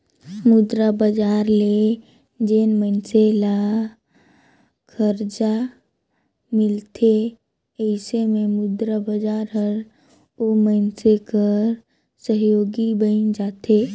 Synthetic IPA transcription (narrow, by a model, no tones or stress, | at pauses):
mʊd̪ɾabəd͡ʒaːɾle | d͡ʒeːnmə̃nsela | kʰəɾd͡ʒa | mɪlt̪ʰe | əɪsemẽmʊd̪ɾabəd͡ʒaːɾɦəɾ | omənsekəɾ | səɦjoːɡibəɪnd͡ʒaːt̪ʰeː